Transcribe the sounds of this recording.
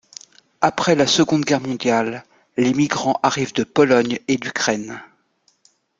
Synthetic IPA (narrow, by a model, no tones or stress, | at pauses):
apχɛlasəɡɔ̃d̪ɡʲɛʁmɔ̃d̪jalː | emiɡʁɑ̃ʔaʁivd̪əpɔlɔɲed̪ykχɛn